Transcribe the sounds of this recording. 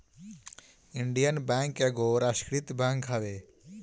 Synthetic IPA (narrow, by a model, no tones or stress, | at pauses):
ɪɳɖijənbɛ̃ːŋkeɡoɾaʃkɾit̪bãːŋkɦaʋeː